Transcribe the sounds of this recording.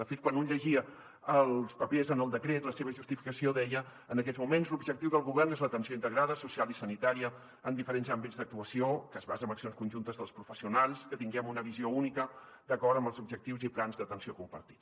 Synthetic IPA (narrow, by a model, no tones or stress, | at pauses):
d̪əfet̪̚kwanunʎəʒiə | əlˠspəpezənəlˠd̪əkɾet̪ləseβəʒust̪ifi̥kəsioðɛjəː | nəkɛzmumenzlubʒəkt̪iwðəlˠɣuβɛrnezlət̪ənsioint̪əɣɾaðəsusialˠisənit̪aɾiə | ənd̪ifəɾenzambidzðək̚t̪uəsiokəzβazəməksionskunʲʒunt̪əzðəlˠspɾufəsiunaʎˠskət̪iŋɡɛmunəβiziounikəd̪əkɔrt̪əmbəlˠzubʒək̚t̪iwziplanzðət̪ənsiokumpə̰ɾt̪i̥t̪